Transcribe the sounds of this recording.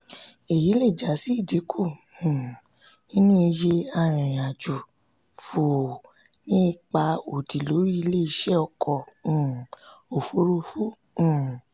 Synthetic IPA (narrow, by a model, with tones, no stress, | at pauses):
e˨ji˨˦le˦˨d͡ʒa˨˦si˦i˦˨di˨˦kʰũ˦˨ | nĩ˦nũ˦i˧je˧a˧ɾ̃ĩ˨a˨d͡ʒu˨ | fo˨ | nĩ˦˧k͡pa˧o˨di˨lo˨˦ɾi˦i˧le˦i˦ʃɛ˦ɔ˧kʰɔ̃˨ | o˨fo˨˦ɾo˦˧fũ˦˨